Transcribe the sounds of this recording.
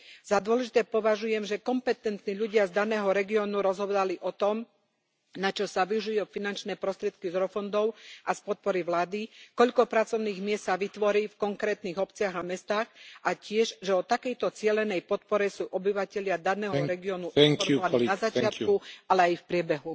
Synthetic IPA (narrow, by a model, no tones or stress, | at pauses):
z̥ad̪ʊɔlɛʒit̪ɛːpɔʋaʒujɛmʒɛkɔmpɛt̪ɛnt̪niʎuɟɪazd̪anɛːɦɔɾɛɡiɔːnuɾɔzɦɔd̪aliʔɔt̪ɔm | nat͡ʃɔsaʋiuʒujufinant͡ʃnɛːpɾɔst̪ɾɪɛt̪̚kizɾɔfɔnd̪ɔʊʔaspɔt̪̚pɔɾiʋlaːd̪ikɔʎkɔpɾat͡sɔʊniːɣmɪɛst̪ːaʋit̪ʋɔɾiːfkɔŋkɾɛːt̪niːɣɔpt͡sɪaɣamɛst̪aːxʔacɪɛʒʒɛɔt̪akɛjt̪ɔt͡sɪɛlɛnɛjpɔt̪pɔɾɛsuːʔɔbiʋacɛʎɪad̪anɛːɦɔɾɛɡiɔːnuʔɛŋannazat͡ʃɪat̪kualɛajfpɾɪɛbɛɦu